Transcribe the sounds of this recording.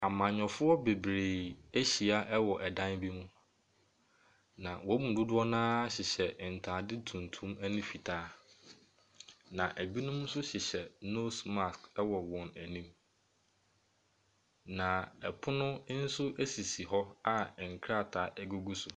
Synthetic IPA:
a˨mã˨ɲɔ̃˨fʊ˦ɔ˦be˨bɾe˨æ˦ɕi˨a˦ʔɛ˦wɔ˨ʔɛ˨dã˦nbi˦mʊ̃˦ | nã˨wɔ˨˦mũ˨dʊ˦dʊ˦ɔ˦nãː˦ɕɪ˨ɕɛ˨n̩˨tʰaː˨dɪ˦tʰũ˨n˨tʰũ˦mæ˦nʊ̃˦fi˨tʰaː˦ | nã˨ʔæ˨bi˦nʊ̃˦m̃˦sʊ˦ɕɪ˨ɕɛ˨no˦sma˨skɛ˦wɔ˨wɔ̃˨næ˨nĩ˦m | nã˨ɛ˨pʰʊ˦nʊ̃˦n̩˦sʊ˦ʔæ˦si˨si˨ɦɔ˦a˨ŋ̩˨kʰɾa˦˨tʰaː˨ʔɛ˦ɡʊ˦ɡu˦sʊ˨

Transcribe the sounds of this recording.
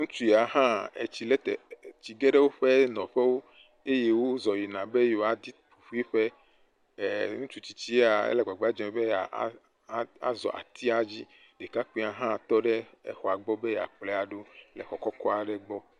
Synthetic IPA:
ŋũ˦t͡ʃu˦ja˨ɦã˦ḛ˨t͡ɕi˨le˦t̪ḛ˨t͡ɕi˨ɡe˦ɖe˦wo˦ɸe˦nɔ̃˨ɸe˦wo˦ | e˦je˦wo˦zɔ˨ji˨nã˨be˦jo˨a˨d̪i˦pu˨ɸu˦i˦ɸe˦˨ | ŋũ˦t͡ʃu˦t͡ɕi̥˨t͡ɕi˦a˨ḛ˦le˨ɡ͡ba˨ɡ͡ba˦d͡ʒɛ̃˨˦be˦a̰˨˦ | a̰˦zɔ̰˨ʔa̰˨t̪ʰi˦a˨d͡ʑi˦ | ɖe˨ka˦k͡pĩ˦a˨ɦã˦˨t̪ɔ˦ɖe˦ḛ˦xɔ˨a˨ɡ͡bɔ˦be˦ja̰˨k͡ple˦a˨ɖo˦lɛ̰˨xɔ˨kɔ˦kɔ˦a˨ɖe˦ɡ͡bɔ˦

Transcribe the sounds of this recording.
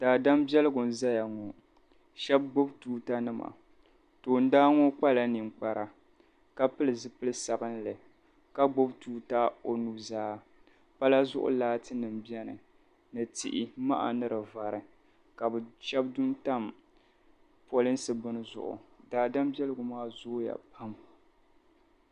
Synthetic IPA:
d̥aː˨da˦mbɛ˦lɨ˦ɡʊ˨n˦˨za˦ja˨ŋɔ˨ | ʃɛ˦b̚ɡ͡bo˦btuː˦ta˦nɨ˦ma̰˨ | toː˨n˦daː˦ŋɔ˦k͡pa˦la˦nɨ˨ŋ͡mk͡pa˨ɾa˨ | ka˦pɨ˦lɨ˨zɨ˦pɨ˦lɨ˦sa˨bɨ˦nlɨ˨ | ka˦ɡ͡bo˦btuː˦ta˦o˨nu˦zaː˦ | pa˦la˦zʊ̰˦ʔʊ̰˦laː˦tɨ˦nɨ˨mbjɛ˦nɨ̰˨ | nɨ˨tḭ˨ʔɪ˨ma̰˦ʔa̰˨nɨ˦ɾɨ˨va˨ɾɨ˨ | ka˨bɨ˨ʃɛ˦b̚dʊ˦nta˦˨m | po˨lɨ˦n˦sɨ˨bɨ˦n˦zʊ̰˨ʔʊ̰˨daː˦da˦mbjɛ˦lɨ˦ɡʊ˨maː˦zoː˦ja̰˨pʰa˦m

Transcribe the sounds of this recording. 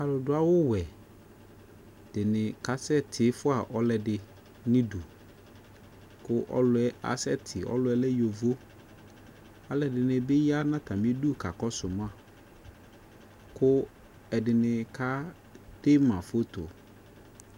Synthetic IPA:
a˨lʊ˨dʊ˦a˦wʊ˦wɛ˨ | d̥ɪ˨nɪ̃˨ka˨sɛ˦tʰɪ˨˦fʊ˦a˨ʔɔ˦lɛ˨dɪ˨ | nɪ̃˦du˨ | kʊ˦ʔɔ̰˦lʊ˨˦ɛ˦ʔa̰˨sɛ˦tʰɪ˨ɔ̰˦lʊ˨˦ɛ˦lɛ˦jo˨vo˦ | a˦lɛ˨dɪ˨nɪ̃˨bɪ˦ja˦nã˦tʰa˨mɪ̃˦du˦˨ka˨kɔ˦sʊ˨m˦a˨ | kʰʊ˦ | ɛ˨dɪ˨nɪ̃˨kʰa˦ | d̥e˦mã˨fo˦t̪ʰo̰˨

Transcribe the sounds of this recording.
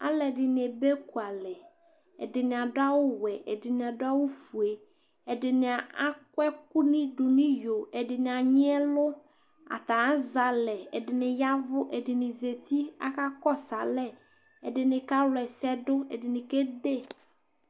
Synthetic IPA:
a̰˦lɛ˨dɪ˨nɪ˨e˨be˦ku˨a˨lɛ˨ | ɛ̰˨dɪ˨nɪ̃˨a˨dʊ˦a˦wʊ˦wɛ˨ɛ˨dɪ˨nɪ̃˨a˨dʊ˦a˦wʊ˦fu˨e˨ | ɛ˨dɪ˨nɪ˨a˨a˦kwɛ˦kʊ˦nɪ̃˦ɖu˨nĩ˦jo˨ɛ˨dɪ˨nɪ˨a˨ɲɪ̃˦ɛ˦lʊ˦ | a̰˨t̪a˨a˦za˨lɛ˨ɛ˨dɪ˨nɪ̃˨ja˦vʊ˦ʔɛ˨dɪ˨nɪ̃˨ze˨t̪i˦a̰˦ka˦kɔ˦sa˨lɛ˦ | ɛ˨dɪ˨nɪ̃˨ka˦lɛ˨sɛ˦dʊ˦ɛ˨dɪ˨nɪ˨ke˦de˦˨

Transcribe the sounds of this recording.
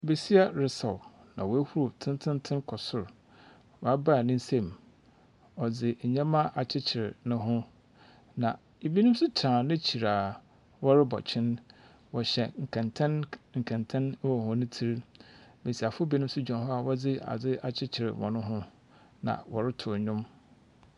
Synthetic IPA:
be˨si˦a˦ɾɪ˨sɔ˨w | nã˨wɔ˨æ˦hu˦ɾu˨tʰɪ̃˦n˦tʰɪ̃˦ntʰɪ̃˦nkʰɔ˨sʊ˨ɾ | wɔ˨a˦ba˦˨nɪ̃˦n̩˦sẽ˦˨m˨ | ɔ˨d͡zɪ˨ɲɛ̃˦mã˦ʔa˨t͡ɕʰɪ˦t͡ɕʰɪ˨ɾɪ˨nʊ̃˦ɦʊ̃˦ | nã˨ | e˨bi˦nũ˦m˦sʊ˦t͡ɕʰã˨nʊ̃˦t͡ɕʰi˨ɾaː˨ | wɔ˦ɾɪ˦bɔ̰˨t͡ɕʰɪ̃˦n | wɔ˨ɕɛ˨ŋ̩˨kʰɛ̃˨ntʰɛ̃˦nŋ̩˨kʰɛ̃˨ntʰɛ̃˦n˦wɔ˨hʊ̃˨nʊ̃˦tʰi˦ɾbe˨si˨a˨fʊ˦bi˦nʊ̃˦m˦sʊ˦d͡ʑᶣɔ̃˨nɦɔ˦a˨wɔ˦d͡zɪ˦a̰˨d͡zɪ˦a˨t͡ɕʰɪ˦t͡ɕʰɪ˨ɾɪ̰˨wʔɔ̰̃˨nʊ̃˦ɦʊ̃˦ | nã̰˨wɔ˨ɾɪ˦tʰʊ˨ɲᶣʊ̃˦m

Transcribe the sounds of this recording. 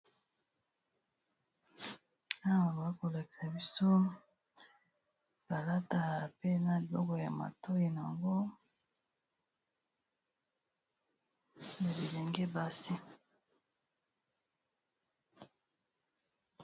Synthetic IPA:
a˦wa˨bo˨a˦ko˨la˨ki̥˨sa˨bi˦so˦ | ba˨la˦ta˨pe˦na˨li˨bɔ˦kɔ˨ja˨ma̰˨to˦ji˨na˨a˨ŋɡo˦ | na˨li˨le˨ŋɡe˦ba˦si˦

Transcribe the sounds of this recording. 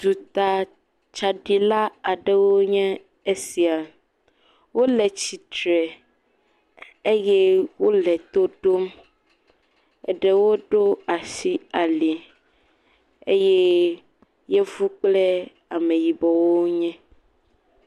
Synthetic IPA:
d̪u˨t̪a˨ | t͡ʃa˨ɖi˨la˦a˨ɖɛ˨wo˦ɲɛ̃˦ | e˦si˨a˨ | wo˦lɛ˨t͡ɕi˨t̪ɾɛ˨ | e˦jɛ˦wo˦lɛ˨t̪o˦ɖo˦m | ɛ̰˨ɖɛ˦wo˦ɖo˦a˨si˦a˨li˨ | e˦jɛ˦ | je˦vu˦k͡plɛ˦ | a˨mẽ˨ji˨bɔ˨wo˦ɲɛ̃˦

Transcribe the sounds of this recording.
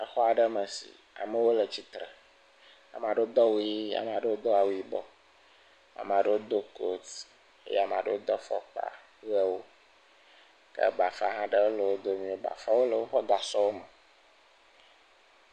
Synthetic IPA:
ɛ˨xɔ˦a˨ɖə˦mə˨sḭ˨ | a̰˨mə˦wo˦lə˨t͡ɕi˦t̪ɾɛ˨ | a̰˨m˨a˨ɖo˦d̪ɔ˦wu˦ji˦a̰˨m˨a˨ɖə˦wo˦d̪ɔ˦a˨wu˦i˦bɔ˨ | a̰˨m˨a˨ɖə˦wo˦d̪o˦ko˦t̪ | ḛ˦ja˨ma̰˨ɖə˦wo˦d̪ɔ˦fɔ̰˦k͡pa̰˦˨ | ɣɛ˦wo˦ | kə̰˦ba˨fa̰˦ɦã˦ɖe˦wo˦lə˨wo˦d̪o˦mĩ˦wo˦ba̰˨fa˦wo˦lə˨wo˦xɔ˦ɡa˨sɔ˦wo˦mɛ˨

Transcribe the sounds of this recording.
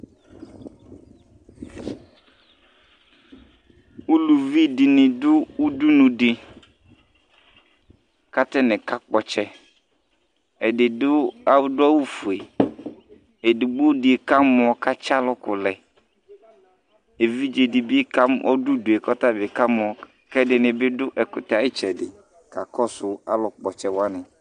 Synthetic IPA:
u˦lu˨vi˦dɪ˨nɪ̃˨dʊ˦u˦du˦nũ˨dɪ˨ | ka˦tɛ˦nɛ̃˨ka˦k͡pɔ˨t͡ʃɛ˦ | ɛ˨dɪ˨dʊ˦a˦wʊ˦dʊ˦a˦wu˦fu˨e˨ | e˨dɪ˨ɡ͡bo˦dɪ˨e˨ka˦mʊ̃˨ɔ˨ka˦t͡ʃa˦lʊ˦kʊ˨lɛ˨ | e˨vi˦d͡ʒe˨dɪ˨bɪ˦ka˦mɔ˦dʊ˦dʊ˨e˨kɔ˦ta˦bɪ˨ka˦mʊ˨ɔ˨ | kɛ˦dɪ˨nɪ̃˨bɪ˦dʊ˦ʔɛ˨kʊ˨ta˨ɪ˦t͡ʃɛ˨dɪ˨ | ka˨kɔ˦sʊ˨a̰˦lʊ˨k͡pɔ˨t͡ʃɛ˨wa˦nɪ̃˨

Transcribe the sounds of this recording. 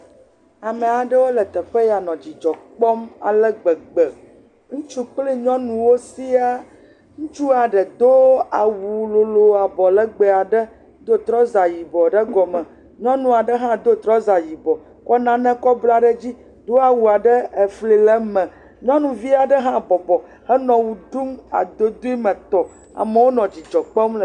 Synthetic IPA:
a˨mɛ̃˨a˨ɖɛ˦wo˦lɛ˨t̪ɛ˨ɸɛ˦ja˨nɔ̃˨d͡ʑi˨d͡ʒɔ˨k͡pɔ˦ma̰˨lɛ˦ɡ͡bɛ˨ɡ͡bɛ˨ | ŋũ˦t͡ʃu˦k͡pli˦ɲɔ̃˦nũ˨wo˦si˦a˦ | ŋũ˦t͡ʃu˦a˨ɖɛ˨d̪o˦a˨wu˨lo˨lo˨a˨bɔ˨lɛ˦ɡ͡bɛ˨a˨ɖɛ˦ | d̪o˦t̪ɾɔ˦za˨ji˨bɔ˨ɖɛ˦ɡɔ˨mɛ̃˨ | ɲɔ̃˦nũ˨a˨ɖɛ˦ɦã˦d̪o˦t̪ɾɔ˦za˨ji˨bɔ˨ | kɔ˦nã˦nɛ̃˦kɔ˦bla˦ɖɛ˦d͡ʑi˦ | d̪o˦a˨wu˨a˨ɖɛ˦ɛ˨fli˨lɛ˦mɛ̃˨ | ɲɔ̃˦nũ˨vi˦a˨ɖɛ˦ɦã˦bɔ˨bɔ˨ | hɛ˦nɔ̃˨wu˨ɖu˦ma̰˨d̪o˦d̪u˦i˦mɛ̃˨t̪ɔ˨ | a̰˨mɛ˨wo˦nɔ̃˨d͡ʑi˨d͡ʒɔ˨k͡pɛ˦ml

